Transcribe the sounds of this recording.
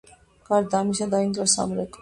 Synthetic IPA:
kaɾd̪amiʃad̪aint̪ɾasa̰mɾek

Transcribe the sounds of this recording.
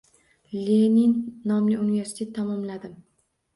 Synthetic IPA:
leninːɒmlɪunive̞ɾsɪ̥t̪ʰe̞t̪ʰːamɒmlad̪ɪm

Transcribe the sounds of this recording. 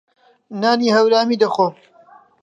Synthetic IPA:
naːniːɦɐwɾaːmiːd̪ɐxoː

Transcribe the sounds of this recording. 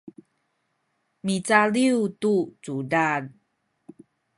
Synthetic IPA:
mit͡saliutut͡sudan

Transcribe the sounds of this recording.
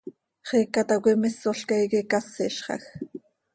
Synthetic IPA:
χekat̪awʷɪmɪsoɬkajkikasɪʃχɑ̰x

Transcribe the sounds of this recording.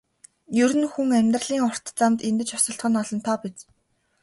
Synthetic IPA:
jɵɾɘ̆nxuŋæmʲt̪rəɮiːŋɔr̥t̪t͡samt̪ent̪ɘ̆t͡ɕɔsɞ̆ɬt̪χɞ̆nɔɮɞ̆nt̪ʰɔːpet͡s

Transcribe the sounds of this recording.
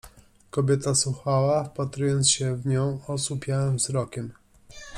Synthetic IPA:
kɔbʲjɛt̪aswuxawafpat̪ɾujɔnt̪sɕɛvɲɔ̃w̃ɔsupʲjawɛmvzɾɔkʲɛm

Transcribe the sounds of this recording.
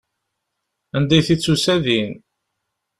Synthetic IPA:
ænd̪æjθit͡sːusæðin

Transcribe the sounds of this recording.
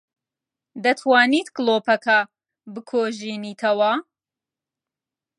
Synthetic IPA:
d̪ɐt̪ʰwaːnit̪kloːpɐkʰɐ | bɨkʰoːʒiniːt̪ʰɐwɐ

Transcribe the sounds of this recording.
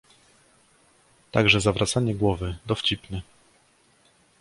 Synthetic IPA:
t̪aɡʐɛzavɾʔat̪saɲɛɡwɔvɘd̪ɔft͡ɕipnɘ

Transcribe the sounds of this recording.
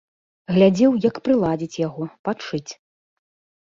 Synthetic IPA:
ɣlʲad͡zʲɛwjɐkpɾɨlˠad͡zʲit͡sʲjaɣɔpat͡ʂɨt͡sʲ

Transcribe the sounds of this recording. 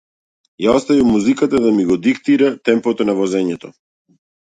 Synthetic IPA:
jaɔst̪avimːuzikat̪ad̪amiɡɔd̪ikt̪iɾat̪ɛmpɔt̪ɔnavɔzɛɲɛt̪ɔ

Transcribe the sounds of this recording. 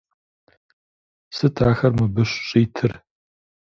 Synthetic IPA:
sɨtʰaːxɐrmɨbɨɕɕʼiːtʰɨr

